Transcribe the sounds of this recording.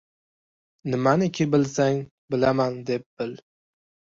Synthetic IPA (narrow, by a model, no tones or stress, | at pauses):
nɪmanɪkʲʰɪbɪlsaŋ | bɪlamand̪ep̚b̥ɪl